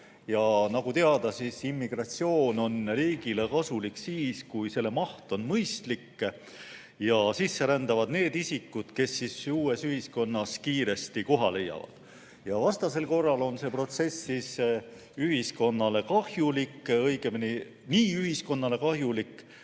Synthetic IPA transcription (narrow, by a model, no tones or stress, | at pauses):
jɑnɑɡ̥ut̪e̞ɑd̪̥ɑsisimːiɡ̥rɑt̪sio̞ːno̞nriːɡ̥ilekɑsuliksiːskujse̞lːe̞mɑht̪o̞nmɤjst̪likː | jɑsisːe̞ɾænd̪̥ɑvɑd̪̥ne̞ːd̪isikːˑud̪̥ke̞sːisuːe̞syhisko̞nːɑskiːɾe̞st̪iko̞ɦɑle̞jːɑ̰vɑ̰d̪̥ | jɑvɑst̪ɑse̞lko̞rːɑlo̞nse̞ːpro̞t̪se̞sːis | yɦisko̞nːɑle̞kɑhjulikːɤ̞jɡ̥emini | niːyhisko̞nːɑle̞kɑhjulikː